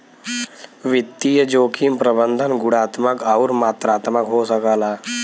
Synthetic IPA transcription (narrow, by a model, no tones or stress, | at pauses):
ʋɪt̪ːijəd͡ʒoːkʰimpɾəbə̃nd̪ʱənɡʊɽaːt̪məkauɾmaːt̪ɾaːt̪məkɦoːsəkəlaː